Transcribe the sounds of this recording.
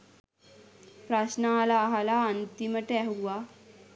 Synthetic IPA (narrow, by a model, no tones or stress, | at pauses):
pɾasnaalaːɦalaːnt̪iməʈɛɦuʋa